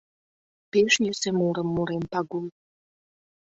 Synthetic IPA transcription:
peʃnʲesemuɾə̆mːuɾempɑɡul

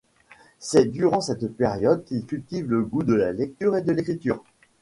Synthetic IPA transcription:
sɛd̪yʁɑ̃sɛt̪peʁjɔd̪̚kʲilkʲylt̪ivləɡud̪əlalɛk̚t̪yʁed̪əlekχit̪yːʁ

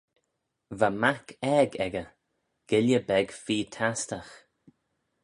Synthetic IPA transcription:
vamakʰɛɡɛɡə | ɡ̥ɪljəbɛɡfiːt̪ʰastəx

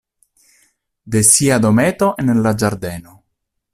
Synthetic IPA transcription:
d̪esiad̪omeːt̪oʔenlad͡ʒaɾd̪eːno

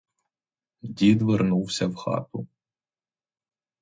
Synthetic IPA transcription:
dʲid̪ʋɪrnuwsʲɐwxɑ̰t̪ʊ

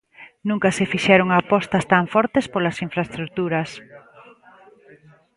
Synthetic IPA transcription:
nũŋkɐsefiʃɛɾoŋapɔst̪ɐst̪aɱfɔɾt̪espolɐsiɱfɾaest̪ɾuk̚t̪uɾɐs

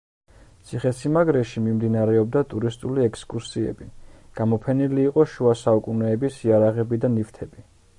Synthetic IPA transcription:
t̪sʰiχɛsimaɡɾɛʃimimd̪inaɾɛɔb̚d̪at̪ʼuɾist̪ʼuliɛkʰskʼuɾsiɛ̰biɡ̥amɔpʰɛniliːqʼɔʃuasaukʼunɛːbisiaɾaʁɛbid̪anift̪ʰɛbi

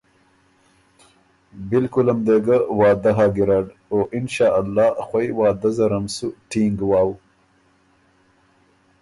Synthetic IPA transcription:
bɪlkʊlɐmd̪eɡɐwɑːd̪ɐɦaːɡiɾaɽoːʔɪnʃaːʔalːɑːxwajwɑːd̪ɐzɐɾɐmsuʈʰiŋɡwaːw

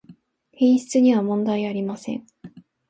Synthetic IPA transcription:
hẽɰ̃ɕi̥t͡sɨɲ̟iβamõ̞nd̪aiaɾʲimasẽ̞̰ɴ

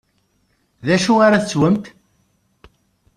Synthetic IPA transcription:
ðæʃuaɾaθət͡sːwəmt̪

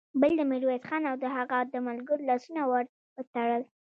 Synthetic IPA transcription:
bəld̪əmɪɾuwet̪xɑnawd̪əɦaɣad̪əmalɡəɾlɑsunawaɾ | pət̪aɽəl

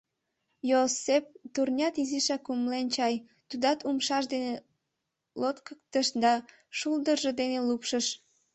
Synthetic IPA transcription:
josep̚t̪urnʲɑt̪iziʃɑkumlent͡ɕɑj | t̪ud̪ɑt̪umʃɑʃd̪ene | lot̪kək̚t̪əʃd̪ɑ | ʃuld̪ərʒed̪enelupʃəʃ

